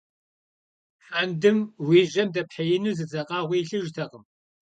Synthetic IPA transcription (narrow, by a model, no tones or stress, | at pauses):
ħandɨmwiːʒʼɐmdɐpħɐjɪnuːzɨzɐqʼɑːʁʷiɬɨʒtʰɐqəm